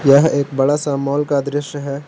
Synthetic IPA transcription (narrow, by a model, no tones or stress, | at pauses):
jəɦeːk̚bɐɽasamɔːlkad̪ɾɪʃjəɦɛː